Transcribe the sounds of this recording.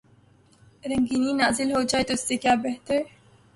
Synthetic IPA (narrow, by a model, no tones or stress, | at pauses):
ɾɐ̃ŋɡiːniːnaːzɪlɦoːd͡ʒaːet̪osːekjaːbeɦt̪əɾ